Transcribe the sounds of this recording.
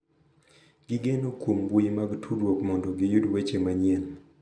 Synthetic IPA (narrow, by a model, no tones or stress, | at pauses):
ɡɪɡenokwombuimaɡtʰuɾwokmɔndɔɡɪjudwet͡ʃemaɲɛl